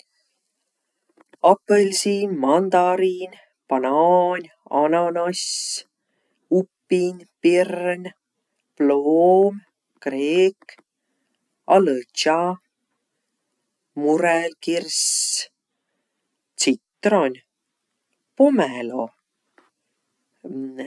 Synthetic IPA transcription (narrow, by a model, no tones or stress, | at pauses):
ɑpəlʲsinmɑnd̪ɑɾinʲ | pɑnɑːnʲ | ɑ̰nɑnɑs | upːinʲpirnʲ | ploːm | kreːk | ɑlət͡ʃɑ | murɛlkirs | t̪sit̪ːronʲ | pomɛlo̰